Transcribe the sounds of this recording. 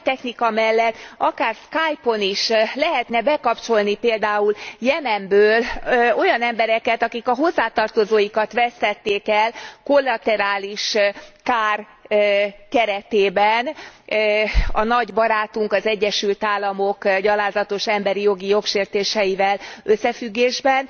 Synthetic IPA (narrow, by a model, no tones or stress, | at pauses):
t̪ɛxnikɒmɛlːɛt̪ːɒkaːrskaːjpo̞niʃlɛɦɛt̪nɛbɛkɒpt͡ʃo̞lnipeːld̪aːuljɛmɛmbøːlo̞jɒnɛmbɛɾɛkɛt̪ɒkikɒɦo̞zːaːt̪ɒrt̪o̞zoːjikɒt̪ʋɛst̪ɛt̪ːeːkɛlko̞lːɒt̪ɛɾaːliʃkaːr | kɛɾɛt̪eːbɛn | ɒnɒɟbɒɾaːt̪uŋkɒzɛɟːɛʃylt̪aːlːɒmo̞kɟɒlaːzɒt̪o̞ʃɛmbɛɾijo̞ɡijo̞kʃeːrt̪eːʃɛjivɛlø̞sːɛfyɡːeːʒbɛn